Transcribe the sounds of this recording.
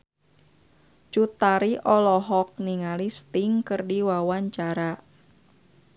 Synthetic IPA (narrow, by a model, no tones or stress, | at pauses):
t͡ʃut̪aɾiʔɔlɔɦɔk̚niŋalist̪iŋkɨrdiwawaɲt͡ʃaɾa